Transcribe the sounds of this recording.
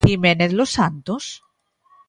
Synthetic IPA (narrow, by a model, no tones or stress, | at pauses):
imeneθlosːant̪os